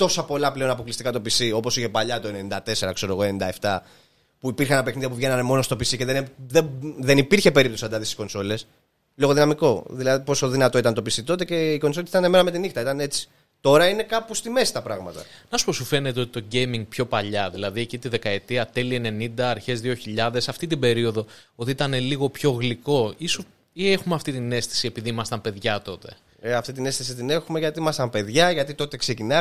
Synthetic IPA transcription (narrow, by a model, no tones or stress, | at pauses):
t̪o̞sɐpo̞lɐple̞o̞nɐpo̞klist̪ikɐt̪o̞pisio̞po̞siçe̞pɐʎɐt̪oenenind̪ɐt̪e̞se̞ɾɐkse̞ɾo̞ɣo̞e̞nind̪ɐeft̪ɐ | puipiɾxɐnɐpexniðjɐp̬uvʝe̞nɐnemo̞no̞st̪o̞pisiceðeðeðenipiɾçe̞pe̞ɾip̚t̪osɐnd̪ɐðisi̥ko̞nso̞le̞s | lo̞ɣo̞ðinɐmiko̞ðilɐðipo̞so̞ðinɐt̪o̞it̪ɐnt̪o̞pisit̪o̞t̪e̞ce̞iko̞nsolesit̪ɐneme̞nɐme̞t̪inixt̪ɐit̪ɐne̞t͡si̥ | t̪o̞ɾɐine̞kɐpust̪ime̞si̥t̪ɐpɾɐɣmɐt̪ɐ̰nɐsu̥po̞sufe̞ne̞t̪e̞o̞t̪i̥t̪o̞ɟe̞jmiŋɡ̚pço̞pɐʎɐðilɐðiecit̪iðe̞kɐe̞t̪iɐt̪e̞liene̞nind̪ɐːɾçe̞zðio̞çiʎɐðe̞sɐft̪it̪̬ibe̞ɾio̞ðo̞o̞t̪iit̪ɐne̞liɣo̞pço̞ɣliko̞iso | ie̞xumeɐft̪it̪ine̞st̪i̥sie̞piðiimɐst̪ɐmpe̞ðʝɐt̪o̞t̪e̞̰ | eɐft̪it̪ine̞st̪is̬it̪ine̞xume̞ʝɐt̪iimɐst̪ɐmpe̞ðʝɐʝɐt̪it̪o̞t̪e̞kse̞cinɐ